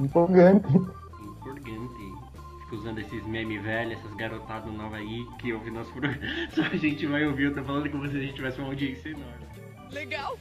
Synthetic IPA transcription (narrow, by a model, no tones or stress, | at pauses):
ĩpoɾɡɐ̃nt̪ɪ | ĩpoɾɡɐ̃nt̪ɪ | fi̥kɐuzɐ̃nd̪ʊesɪzmẽmɪvɛʎʊɛsɐzɡaɾot̪ad̪ɐznɐnɔvɐikɪowvinɔsʊ̥pɾoɡɾɐ̃sɔɐʒẽnt͡ʃɪvajowviowt̪ɐ̃wfalɐ̃nd̪ʊkõvosezɐʒẽt̪ɪt͡ʃivɛsɪũmawd͡ʒiẽsjenõɾɪ | leɡaw